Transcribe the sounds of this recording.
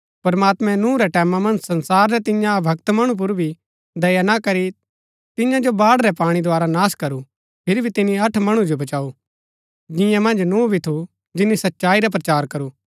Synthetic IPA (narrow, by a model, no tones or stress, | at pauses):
pɐɾmaːt̪mɛ̃nũːɾɛʈɛːmamɐ̃nd͡ʒsɐ̃nsaːɾːɛt̪ɪ̃jãbʱɐkt̪mɐɽ̃ũp̬ʊɾbʱi | d̪ɐjanakɐɾi | t̪ɪjãd͡ʒobaːɽɾɛpaːɽ̃id̪oaːɾanaːskɐɾu | pʰɪɾibʱit̪ɪniɐʈʰmɐɽ̃ud͡ʒobɐt͡ʃaːu | d͡ʒɪ̃jãmɐ̃nd͡ʒnuːbʱit̪ʰu | d͡ʒɪnːisɐtːʃaːiɾap̬ɾɐt͡ʃaːɾkɐɾuː